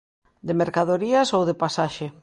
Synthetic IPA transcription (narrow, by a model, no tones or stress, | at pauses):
d̪ɪmeɾkaðoɾiɐsowðepasaʃe